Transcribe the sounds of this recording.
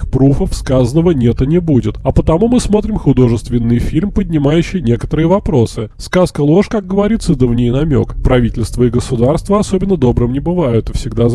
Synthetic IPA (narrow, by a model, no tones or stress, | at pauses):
xpɾufəfskazənːəvənʲet̪ɐnʲɪbudʲɪt̪ɐpət̪ɐmumɨsmo̞t̪ɾʲɪmxʊd̪o̞ʐɨst̪vʲɪnːɨjfʲilʲmpədʲnʲɪmajʉɕːɪjnʲe̞kə̥t̪əɾɨjəvɐpɾo̞sɨskaskəlˠo̞ʂkak̚ɡəvɐɾʲit̪sɨd̪əvnʲejnɐmʲo̞̰kpɾɐvʲitʲɪlʲst̪vəɪɡəsʊd̪arst̪vəɐsobʲɪnːəd̪o̞bɾɨmnʲɪbɨvajʊt̪ɨfsʲɪɡd̪a